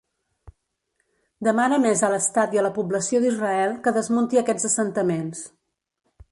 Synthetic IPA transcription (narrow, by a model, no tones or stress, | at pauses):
d̪əmanəmezələst̪at̪iələpubləsioðizrəɛlˠkəðəzmunt̪iəkɛd͡zəsənt̪əmens